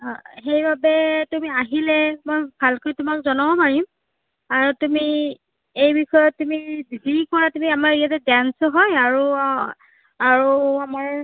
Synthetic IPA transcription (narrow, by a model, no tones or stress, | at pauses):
xejbabɛtumiaɦilɛmojbʱalkojtumakzɔnɔɔpaɹim | aɹutumi | ejbixɔjɔt̚tːumibidʱikɔɹatumiamaɹijatɛdansɔɦɔjaɹu | aɹuamaɹ